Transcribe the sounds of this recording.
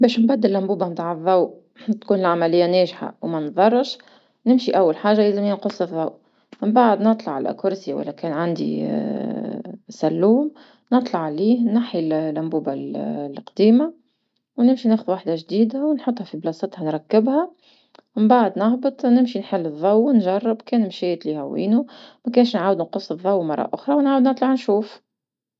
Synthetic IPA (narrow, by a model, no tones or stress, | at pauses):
bɛːʃmbæd̪ːɪlːæmbuːbamt̪ˤaʕðˤːɑw | t̪kuːnɪlʕamælɪjːænɛːʒħa̰wmænðˤɑrˤːʃ | nɪmʃiʔæwːalħaːʒːajæzɪmɪnqʊsˤɨðˤːɑwʔ | mɪmbaʕd̪nɨt̪ˤlɑʕalæ̰kʊɾsiwæ̰lːækɛːnʕand̪ḭ | sælːuːm | nɨt̪ˤlɑʕːliːhnaħillːæmbuːballqd̪iːma | wnɪmʃinɛːxʊðwaːħd̪aʒd̪iːd̪awnħot̪ˤːhɑfiblɑsˤɑt̪hɑnɾˤɑkːɪbhæ | mɪmbaʕd̪nɑɣbɨt̪ˤnɪmʃinħɪlːɨðˤːɑwnʒɑrˤːɑbkɛːnmʃæːt̪lihæwḭːnumækæːnʃnʕaːwəd̪nqʊsˤːɨðˤːɑwːmɑrˤːɑ̰ʔʊxɾˤɑwnʕaːwəd̪nɨt̪ˤlɑʕnʃuːf